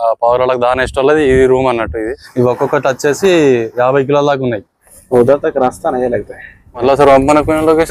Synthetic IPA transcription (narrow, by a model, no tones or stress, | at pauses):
paːɡɾaːlɐkud̪aːnɐiʂʈɐlːɐd̪iːdiɾuːmɐnːɐʈːuid̪iɔkːɔkːɐʈɐtːt͡ʃe̞ːsijaːbʱɐjk̬ilɐːllaːk̬unːaːji | ɐd̪ɐt̪ɐkɐɾast̪anɐjɐlaːɡ̚t̪ɐ | mɐʈlos̬ɐɾɐmpɐnɐkinɐloːke